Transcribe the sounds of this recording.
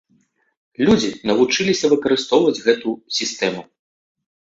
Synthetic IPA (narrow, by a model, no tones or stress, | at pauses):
lʲud͡zʲinɐvut͡ʂɨlʲisʲɐvɨkɐɾɨst̪ɔwvɐd͡zʲɣɛt̪usʲist̪ɛmu